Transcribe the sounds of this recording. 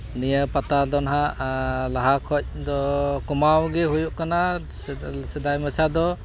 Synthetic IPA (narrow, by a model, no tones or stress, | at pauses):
nijəpat̪adɔnɦaʔlaɦakʰɔc̚ˀd̪ɔkumawɡɛɦujuʔkana | sɛd̪ajmət͡ʃʰad̪ɔ